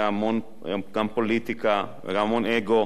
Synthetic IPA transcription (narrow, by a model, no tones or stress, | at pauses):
amon | ɡampolit̪ika̰ | ɾamoneɡo